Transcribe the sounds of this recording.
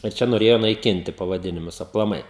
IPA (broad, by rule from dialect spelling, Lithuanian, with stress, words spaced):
ɪr ˈt͡ʃʲɛ noːˈrʲeːjoː nɐɪˈkʲɪnʲtʲɪ pɐʋɐˈdʲɪnʲɪmʊs ɐplˠɐˈmɐɪ